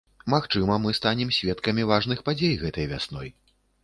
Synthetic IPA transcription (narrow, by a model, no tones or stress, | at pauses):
maxt͡ʂɨmɐmɨst̪anʲɛmsʲvʲɛt̪kɐmʲivaʐn̪ɨxpad͡zʲejɣɛt̪ɐjvʲa̰snɔj